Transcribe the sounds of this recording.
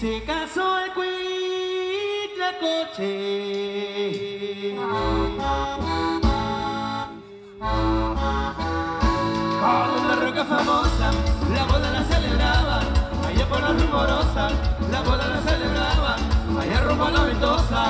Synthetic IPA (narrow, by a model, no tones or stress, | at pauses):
sekasoekwi | t̪ɾekwet͡ʃe | oolarokafamosalaβoðalaseleβɾaβa | ajapolarimoɾosalaβoðalaseleβɾaβa | ajaropalaβent̪osa